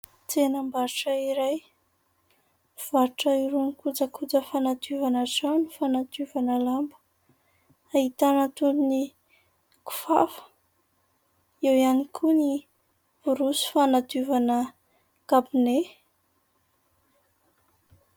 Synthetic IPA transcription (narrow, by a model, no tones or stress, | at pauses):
t͡senəmbaɾʈ͡ʂəiɾaj | v̥aɾʈ͡ʂəiɾunikud͡zəkʰud͡zəfanad̪uvanazanifanad̪uvanəlambə̥ | aɦit̪anət̪und̪uni | ku̥fa̰fə̥ | ewianikʰuni | v̥uɾusi̥fanad̪uvanə | ɡ̥abine